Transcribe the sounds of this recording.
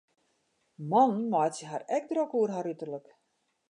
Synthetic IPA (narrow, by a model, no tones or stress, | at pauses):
mɔnnmɔjtsəɦarɛk̚drokuərɦaɾytərlək